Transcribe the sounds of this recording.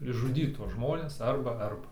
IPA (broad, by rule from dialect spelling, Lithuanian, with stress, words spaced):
ɪʒʒʊˈdʲiːt tuɔs ˈʒmoːnʲɛs ˈɐrbɐ ˈɐrbɐ